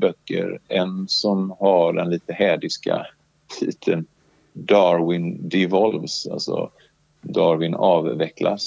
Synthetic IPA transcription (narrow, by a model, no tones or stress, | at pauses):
bœkːə̰ɾɛnsɔmhaɖɛnliːt̪əhɛːd̪ɪska̰ | t̪ʰiːt̪ʰən | d̪ɑːɾwɪnd̪ɪvɔlvsa̰lsɔ̰ | d̪ɑːɾwɪnɑːvːɛkla̰s